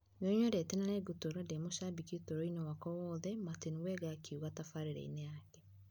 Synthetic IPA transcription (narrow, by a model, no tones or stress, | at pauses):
noɲoɾetɛnaneɡutoɾademoɕabikiutoɾoinɔwakɔwɔːðɛmatiniwɛɣakiuɣatafaɾeɾɛ̰ḭneakɛ